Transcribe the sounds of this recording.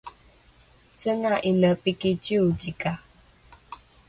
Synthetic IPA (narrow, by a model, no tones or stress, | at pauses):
t͡ʃəŋaʔinəpikit͡ʃiud͡ʒika